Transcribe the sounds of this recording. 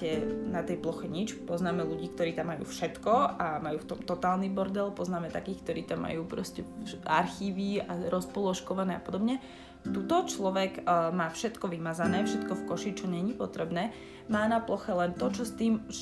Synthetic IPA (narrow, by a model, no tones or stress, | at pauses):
ɛnat̪ɛjplɔxɛɲit͡ʃpɔznaːmɛluɟiːkt̪ɔɾiːt̪amːajṵːfʃɛt̪kɔamajuːft̪ɔmt̪ɔt̪aːlnibɔɾd̪ɛlpɔznaːmɛt̪akiːxk̚t̪ɔɾiːt̪amːa̰juːpɾɔscɛaɾxiːʋiaɾɔspɔlɔʃkɔʋanɛːapɔd̪ɔbɲɛ | t̪ut̪ɔt͡ʃlɔʋɛɡmaːfʃɛt̪kɔʋimazanɛːfʃɛt̪kɔfkɔʃit͡ʃɔɲɛɲipɔt̪ɾɛbnɛː | maːnaplɔxɛlɛnt̪ɔt͡ʃɔst̪iːm